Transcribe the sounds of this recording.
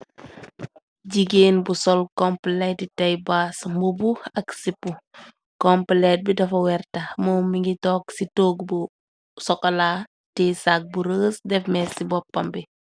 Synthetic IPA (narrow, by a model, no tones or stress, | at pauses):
ɟiɡeːnbusɔlkɔmplɛtitɐjbasmubuɐksipːu | kɔmplɛt̚bidɐfɐwɛrtɐmɔːmiŋɡitɔːksitoːɡbu | sɔkːɐlaː | tɛsak̚buɾəːsdɛfmɛsibɔpːɐmbi